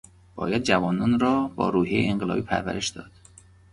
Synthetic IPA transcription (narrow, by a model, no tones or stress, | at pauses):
b̥ɒ̰ːjæd̪̚d͡ʒævɒːnɒːnɾɒːbɒ̰ːɾuːhɦijeeeŋɢelɒ̰ːbiːpʰæ̰ɾvæ̰ɾeʃd̪ɒ̰ːd̪̥